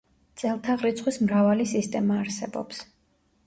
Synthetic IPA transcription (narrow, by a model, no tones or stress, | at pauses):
t̪sʼɛlˠt̪ʰaʁɾit̪sʰχwismɾavalisist̪ʼɛmaːɾsɛbɔ̰ps